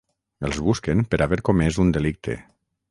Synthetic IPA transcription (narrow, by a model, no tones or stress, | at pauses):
elˠzβuskempəɾaβeɾkomezund̪elik̚t̪ʰḛ